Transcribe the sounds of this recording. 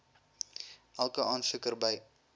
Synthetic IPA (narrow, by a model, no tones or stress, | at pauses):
ʔælˠkəɑːnfəkərbɐj